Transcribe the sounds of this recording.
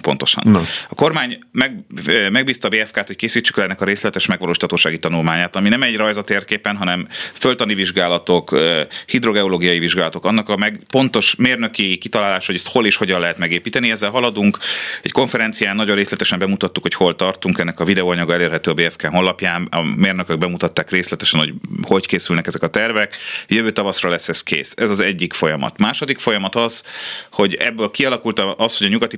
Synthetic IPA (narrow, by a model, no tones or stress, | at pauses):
po̞nt̪o̞̥ʃɒ̰nɒko̞rmaːɲmɛɡmɛɡ̚biːst̪ɒːbeːɛfkaːt̪ho̞ckeːsiːt͡ʃːy̥klɛnːɛkɒɾeːslɛt̪ɛʃmɛɡʋɒloːʃi̥t̪ʰɒt̪oːʃaːɡit̪ɒnulmaːɲaːt̪ɒminɛmɛɟrɒjzɒt̪eːrkeːpɛnɦɒnɛmfølt̪ɒniviʒɡaːlɒt̪o̞køhid̪ɾo̞ɡɛoloːɡijɒjiviʒɡaːlɒt̪o̞kɒnːɒkɒmɛɡpo̞nt̪o̞ʃmeːrnø̞kikit̪ɒlaːlaːʃhoɟɛst̪ho̞leːʃho̞ɟɒnlɛɦɛt̪mɛɡeːpiːt̪ɛniɛzːɛlɦɒlɒd̪uŋkɛcko̞ɱfɛɾɛnt̪sijaːnnːɒɟoreːslɛt̪ɛʃɛmbɛmut̪ɒt̪ːukhocho̞lt̪ɒrt̪uŋkɛnːɛkɒvid̪ɛoːɒɲɒɡɒɛleːrɦɛt̪øːɒbeːɛfkɛɦo̞nlːɒpjaːnɒ̰meːrnøkøɡ̚bɛmut̪ɒt̪ːaːkreːslɛt̪ɛʃɛnho̞ɟho̞ckeːsylnɛkɛzɛkɒt̪ɛrvɛkjøvøːt̪ɒvɒsrɒlɛsːɛskḛːsɛzɒzɛɟːikfo̞jɒmɒ̰t̪maːʃod̪ikfo̞jɒmɒt̪ɒz̥ho̞ɟɛ̰bːøːlkiɒlɒkult̪ɒʔɒsho̞ɟɒɲuɡɒt̪i